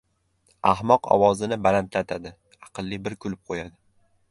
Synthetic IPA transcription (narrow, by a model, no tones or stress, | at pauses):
ahmɒqɒ̰wɒzɪnɪbalant̪lat̪ʰad̪ɪ | ɑqʰɨlˠːibɪɾkʰʊlɪp̚qʰojad̪ɪ